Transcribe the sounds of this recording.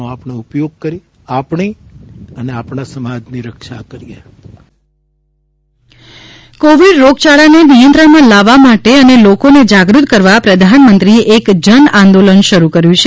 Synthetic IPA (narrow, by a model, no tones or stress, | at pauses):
apɳeupjoɡ̚kəɾi | apɳiəneapɳasəmad͡ʒniɾəkʃakəɾije | koʋiɖɾoɡt͡ʃaɭanenijənt̪ɾəɳmãlaʋːamaʈeənelokoned͡ʒaɡɾut̪kəɾʋapɾəd̪ʱanmənt̪ɾieʔekd͡ʒənãnd̪olənʃəɾukəɾjũt͡ʃʰe